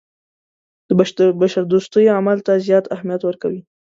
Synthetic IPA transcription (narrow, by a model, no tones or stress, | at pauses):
d̪̥əbabaʃaɾd̪ost̪əjoamalt̪azjɑt̪ahmijat̪wəɾkawi